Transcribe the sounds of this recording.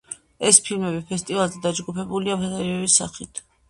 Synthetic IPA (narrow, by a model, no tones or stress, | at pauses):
ɛspʰilmɛbipʰɛst̪ʼivalˠzɛd̪ad͡ʒɡupʰɛbuliapʰazaɾiɛvisa̰χit̪ʰ